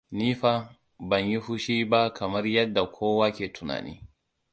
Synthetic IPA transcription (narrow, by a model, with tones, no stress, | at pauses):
niː˦ɸa˦ | bɐ˨ɲji˦ɸʊ˦ʃiː˦ba˦kɐ˨mɐ˦rjɐ˦dːa˨kʷʰoː˦waː˦kʲeː˨tʰʊ˨na̰ː˨nʔḭː˦